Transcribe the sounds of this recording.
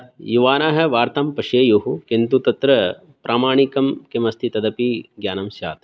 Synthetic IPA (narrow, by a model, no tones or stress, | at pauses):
juʋaːnaːɦɐ̆ʋaːɾt̪ɐmpɐʂeːjuɦukent̪ut̪ɐt̪ɾɐ | pɾʔaːmaːɳikɐmkemɐst̪ʰit̪ɐd̪ɐpiɡjaːnɐmʃja̰ːt̪